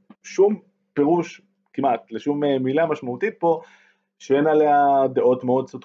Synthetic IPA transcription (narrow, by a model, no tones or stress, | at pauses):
ʃum | pe̞ʁuʃ | kimʔat̪leʃummilamaʃmaut̪it̪̚po̞ | ʃeenalead̪eʔo̞t̪meo̞d̪̚sut